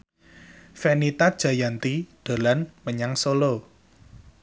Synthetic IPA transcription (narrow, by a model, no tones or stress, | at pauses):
fenit̪ḁʒ̥a̤jant̪iɖ̪̥a̤lanməɲaŋsolo